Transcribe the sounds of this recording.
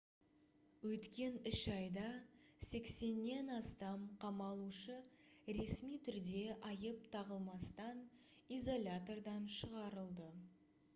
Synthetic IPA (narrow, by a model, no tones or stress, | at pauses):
wɵt̪kʲe̞nɪʃɑjd̪ɑ | se̞kse̞nːe̞nɑst̪ɑmqʰɑmɑlˠuʃəɾe̞smijt̪ʰʏɾd̪e̞ʔɑjəp̚t̪ʰɑʁəlˠmɑst̪ɑn | izo̞lʲat̪o̞rd̪ɑnʃəʁɑɾəlˠd̪ə